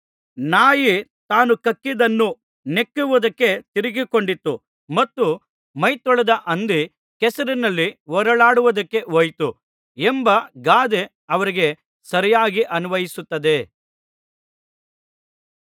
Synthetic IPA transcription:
naːjit̪aːnukɐkːid̪ɐnːu | ne̞kːuʋud̪ɐkːe̞t̪iɾiɡiko̞ɳɖit̪ːu | mɐt̪ːu | mɐjt̪ɔɭɐd̪ɐʔɐnd̪i | kɛsɐɾinɐlːiɦɔɾɐɭaːɽuʋud̪ɐkːe̞ɦojt̪u | embɐɡaːd̪e | ɐʋɐɾiɡe̞ | sɐɾijaːɡiʔɐnuʋɐjisut̪ːɐd̪e̞

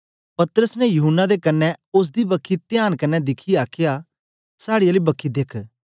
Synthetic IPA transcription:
pɐt̪ɾəsnɛjʊɦʊnːad̪ekɐnːɛʊs̬d̪ibɐkʰːit̪ɪjaːnkɐnːɛd̪ɪkʰiaːkʰɪjaː | saːɽijaliːbɐkʰːid̪ekʰ

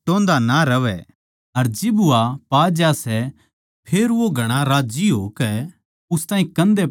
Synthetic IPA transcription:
ʈõːnd̪anaɾɐʋɛ | ɐɾd͡ʒɪbʊapaːd͡ʒaːsɛ | pʰeːɾʋoɡʱɐɽ̃aɾaːd͡ʒiɦoːkɛ | ʊst̪ãːɦĩkɐ̃nd̪e

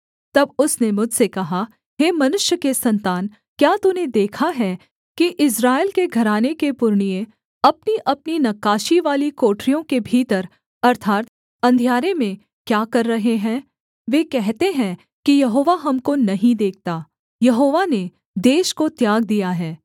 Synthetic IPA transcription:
t̪ɐbʊsnemʊd͡ʒʱsekɐɦa | ɦeːmɐnʊʃjəkesɐ̃nt̪aːn | kjaːt̪uned̪eːkʰaɦɛ | kiʔɪsɾaːelkeɡʱɐɾaːnekepʊɾɳ̃ijẽ | ɐpniʔɐp̚ninɐkaːʃiʋaːlikoːʈɾijõkebʱiːt̪əɾ | ɐɾt̪ʰaːt̪ | ɐ̃nd̪ʱjaːɾemẽ | kjaːkɐɾːɐɦeɦɛ̃ː | ʋeːkɛɦt̪eɦɛ̃ | kijɐɦoːʋaɦɐmkonɐɦĩd̪eːk̚ʰt̪aː | jɐɦoːʋane | d̪eːʃkot̪jaːɡ̚d̪ijaɦɛː

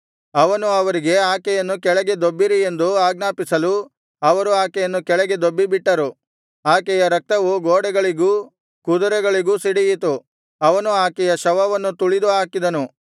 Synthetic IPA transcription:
ɐʋɐnuɐʋɐɾiɡe̞aːkɛjɐnːukɛɭɛɡe̞d̪obːiɾie̞nd̪uaːɡnaːpisɐlu | ɐʋɐɾuaːkɛjɐnːukɛɭɛɡe̞d̪obːibiʈːɐɾu | aːkɛjɐɾɐk̚t̪ɐʋuɡoːɽɛɡɐɭiɡuː | kud̪ɐɾɛɡɐɭiɡuːsiɽijit̪u | ɐʋɐnuaːkɛjɐʃɐʋɐʋɐnːut̪uɭid̪uɦaːkid̪ɐnu

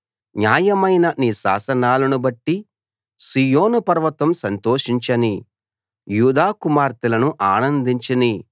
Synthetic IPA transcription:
ɲaːjɐmɐjnɐniːʃa̰ːsɐnaːlɐnubɐʈːi | sijoːnupɐɾʋɐt̪ʋɐmsɐnt̪oːʂiɲt͡ʃɐni | juːd̪aːkumaːɾt̪ilɐnuʔaːnɐnd̪iɲt͡ʃɐni

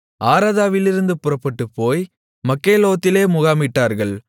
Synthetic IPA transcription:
ʔaːɾaːðaːʋɪlɪɾɯnd̪ɯpʊrɐpːɐʈːɯpːoːj | mɐkːeːloːɣɐt̪ːɪleːmʊɣaːmɪʈːaːɾɣɐɭ

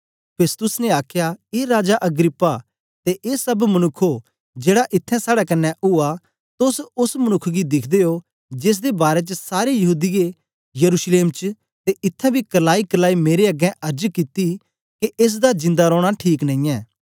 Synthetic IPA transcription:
pʰeːst̪ʊsnɛaːkʰjaeːɾaːd͡ʒaʔɐɡɾɪpːa | t̪eʔeːsɐbmɐnʊkʰːo | d͡ʒeːɽaʔɪt̪ʰːɛ̃saːɽakɐnːɛʔʊa | t̪ʊsʊsmɐnʊkʰɡid̪ɪkʰd̪eo | d͡ʒeːs̬d̪ebaːɾet͡ʃəsaːɾejɐɦuːd̪ije | jɐɾusleːmt͡ʃ | t̪eʔɪt̪ʰːɛ̃bʱikɐlaːikəlaːimeːɾeɐɡɛ̃ʔɐɾd͡ʒkit̪i | keeːs̬d̪ad͡ʒɪ̃nd̪aɾɔːɽ̃aʈʰiːknɐ̃ĩːɛ̃ː

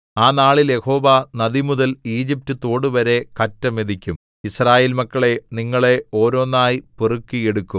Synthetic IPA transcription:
aːnaːɭilje̞ho̞ːʋanɐd̪imuðɐliːd͡ʑip̚tut̪o̞ːɽɨʋɐɾe̞kɐtːɐme̞ðikʲːum | israːjeːlmɐkːɐɭe̞niŋːɐɭe̞o̞ːɾo̞ːnːaːjipurukːijeɽukːum

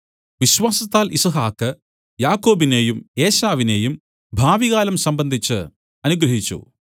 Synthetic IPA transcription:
ʋiɕwaːsɐt̪ːaːlʔisɐɦaːkːɨ | jaːkːo̞ːbineːjume̞ːɕaːʋine̞ːjum | bʱaːʋiɣaːlɐmsɐmbɐnd̪ʱit͡ɕːɨ | ɐnuɡɾɐɦit͡ɕːṵ

